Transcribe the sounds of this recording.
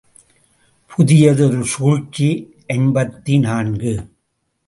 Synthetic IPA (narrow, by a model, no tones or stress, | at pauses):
pʰʊðɪjɐðɯɔɾɯsuːɻt͡ʃːi | ʔɛnbɐt̪ːinaːnɡɯ